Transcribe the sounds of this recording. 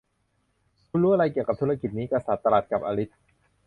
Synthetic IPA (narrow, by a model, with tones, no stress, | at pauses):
kʰu˧nɾuː˦˥ʔa˧a˧jki˨˩əka˨˩p̚t̪ʰu˦˥ɾa˧ki˨˩niː˦˥kɾa˧sa˨˩t̪ːa˧laː˨˩t̪̚ka˨˩p̚ʔaː˧ɾi˦˥t̪̚